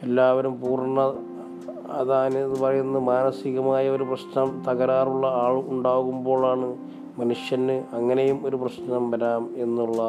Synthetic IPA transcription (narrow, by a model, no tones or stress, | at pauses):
e̞lːaːʋɐɾumpuːrɳːɐ | ɐ̰ðaːnɨɐðɨpɐrɐjːunːɐmaːnɐsiɣɐmaːjɐo̞ɾuprɐɕnɐmt̪ɐɣɐɾaːruɭːɐaːɭuuɳɖaːɣumbo̞ːɭaːɳɨ | mɐnuʂjɐnːɨɐŋːɐne̞jumo̞ɾuprɐɕnɐmʋɐɾaːme̞nːuɭːɐ